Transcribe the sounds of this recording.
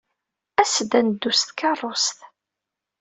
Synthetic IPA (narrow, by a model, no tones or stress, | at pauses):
æsəd̪ænd̪ːust̪kɑrˤːost̪